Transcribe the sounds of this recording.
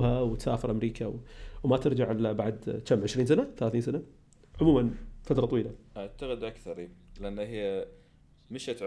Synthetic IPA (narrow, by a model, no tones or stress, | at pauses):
hawt̪saːfɪɾʔamɾiːkʰawwmat̪ɪɾd͡ʒaʕɪlabaʕd̪t͡ʃamːʕɪʃɾiːnsanaθalaːθiːnsana | ʕʊmuːmanfat̪ɾˤɑt̪ˤwiːlaʔaʕt̪aɣɪd̪ʔakθɑɾˤilɪʔanːhɪjː | mɪʃat̪ʕ